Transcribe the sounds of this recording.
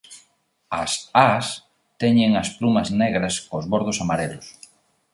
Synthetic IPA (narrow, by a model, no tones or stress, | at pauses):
ɐ̰sas | t̪ɛɲɪŋɐsplumɐzneɣɾɐskozβoɾðʊsamaɾelʊs